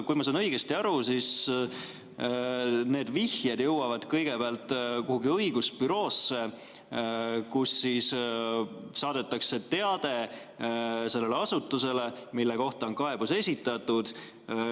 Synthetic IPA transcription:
kujmɑsɑːnɤjɡ̥est̪iɑɾusis | ne̞ːd̪̥vihjɑd̪̥jɤwɑvɑd̪̥kɤjɡ̥e̞beɑlt̪ːˑkoɦuɡiɤiɡuspyɾo̞ːsːe̞ | kusːis | sɑːd̪̥e̞t̪ːˑɑkse̞t̪e̞ɑd̪̥e̞ | se̞lːe̞leɑsut̪ːˑuse̞le̞ | milːe̞ko̞ht̪ɑo̞nkɑe̞b̥use̞sʲit̪ːˑɑt̪ːud̪̥

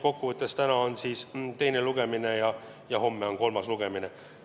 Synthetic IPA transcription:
ko̞kːuvɤt̪ːˑe̞st̪ænɑonsiːst̪e̞jneluɡ̥e̞mine̞jɑ | jɑho̞mːeo̞ŋko̞lmɑsluɡ̥e̞mine

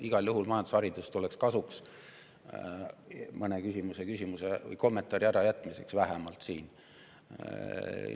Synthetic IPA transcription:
iɡ̥ɑljuɦulmɑjɑnd̪u̥sɑɾid̪ust̪ulekskɑsuks | mɤnekysʲimuse̞kysʲimusevɤ̰jko̞mːent̪ˑɑɾiæɾɑjæt̪ˑːmise̞̰ksvæɦɛmɑlt̪sḭːn

